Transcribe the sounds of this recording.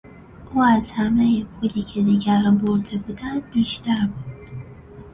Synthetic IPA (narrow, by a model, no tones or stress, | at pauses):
ʔuːæzhæmejepʰuːliːcʰed̪iːɟæɾboɾd̪ebuːd̪ænd̪̥̚biːʃt̪æɾbuːd̪d̪̥